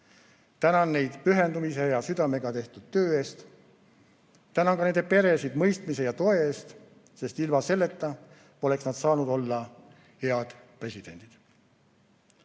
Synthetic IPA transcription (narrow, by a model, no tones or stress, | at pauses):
t̪ænɑnːe̞jd̪̥pyɦe̞nd̪umise̞jɑsyd̪̥ɑme̞ɡ̥ɑt̪e̞ht̪ud̪̥̚t̪ø̞ːe̞ːst̪ | t̪ːænɑŋkɑne̞nd̪e̞pe̞ɾe̞sid̪mɤjst̪misejɑt̪o̞e̞eːst̪ | se̞st̪ilmɑse̞lːe̞t̪ˑːɑ | o̞le̞ksnɑd̪̥sɑːnud̪o̞lːɑ | heɑd̪̥pre̞sid̥̪e̞nʲd̪̥id̪̥